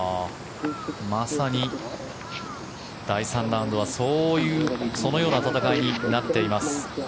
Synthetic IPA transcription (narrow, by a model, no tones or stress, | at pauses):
masaɲ̟i | d̪̥aisãnɾãɯ̃nd̪o̞β̞aso̞ːjɯ̟ːso̞no̞jo̞ːnat̪at̪akaiɲ̟inat̪ːe̞imasɨ̥